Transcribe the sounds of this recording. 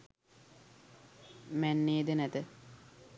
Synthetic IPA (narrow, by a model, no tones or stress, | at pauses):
mænːeːd̪ənæt̪ə